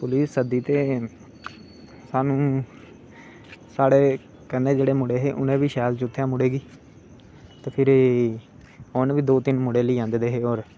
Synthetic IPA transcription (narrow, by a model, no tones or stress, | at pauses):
pʊliːsːəd̪iːt̪eː | saːnũː | saːɽeː | kənːẽːd͡ʒeːɽeːmʊɽeːɦeːʔʊnẽːʋiːʃɛːlt͡ʃʊt̪ʰːjãːmʊɽeːɡiː | t̪eːpʰɪɾ | ɔːnʋiːd̪oːt̪ɪnmʊɽeːləiːãːnd̪d̪eːɦeːoːɾ